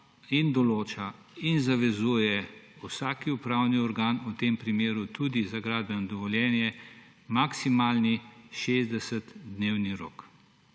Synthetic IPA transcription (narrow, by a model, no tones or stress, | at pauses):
ind̪ɔloːt͡ʃa | inzaʋɛzuːjɛusaːkiupɾaːwniɔɾɡaːnut̪eːmpɾimeːɾut̪ud̪izaɡɾaːd̪̚bɛnɔd̪ɔʋɔljɛːnjɛ | maksimaːlniʃeːzd̪ɛsɛt̪d̪neːwniɾo̰ːk